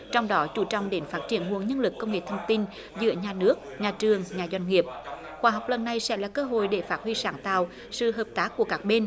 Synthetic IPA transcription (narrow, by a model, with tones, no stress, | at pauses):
t͡ɕɔ˧wŋ͡mɗɔ˨˦t͡ɕu˧˦t͡ɕɔ̰˧˨wŋ͡mɗe˨˦nfaː˦˥t̚t͡ɕi˧˩ənɦu˨˩əŋɲə˧nlɨ˨˩kːə˧wŋ͡mŋḛ˨˩t̪ʰə˧ŋ͡mt̪i˧n | zɨ̰˧˥əɲaː˨˩nɨ˦˥ək̚ɲaː˨˩t͡ɕɨ˨˩əŋɲaː˨˩zwa˧jŋ̟ŋi˨˩əp̚ | xwaː˨˩ɦa˨˩wk͡p̚lə˨˩nːa˨˧˩jsɛ̰˧˥laː˨˩kəː˧ɦo̰˧˨jɗe˧˩faː˦˥t̚hwi˧saː˧˩˦ŋt̪a̰ː˧˨w | sɨ̰˧˨ɦəː˨˩p̚t̪aː˦˥kːu˧˩əkaː˦˥k̚ɓe˧n